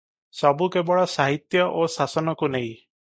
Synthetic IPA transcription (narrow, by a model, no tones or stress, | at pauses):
sɔbukebɔɭɔsaɦit̪jɔʔosasɔnɔkunej̃